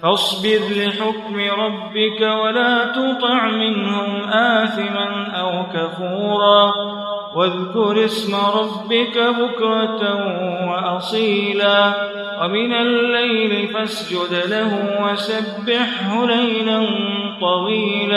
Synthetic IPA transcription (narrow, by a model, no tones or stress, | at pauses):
fɑsˤbɪd̪lɪħʊkmɪɾˤɑbːɪkawalaːt̪ʊt̪ˤɨʕmɪnhʊmʔaːθɪmanʔawkafuːɾˤɑː | waðkʊɾɪsmaɾˤɑbːɪkabʊkɾˤɑt̪awaʔɑsˤiːlaː | wamɪnalːajlɪfasd͡ʒʊd̪lahʊwasabːɪħhʊlajlant̪ˤɑwiːlaː